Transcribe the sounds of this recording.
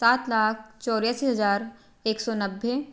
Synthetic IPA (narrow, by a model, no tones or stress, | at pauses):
saːt̪laːk̚ʰt͡ʃɔːɾjaːsiɦɐzaːɾ | eːksɔnɐbʱːe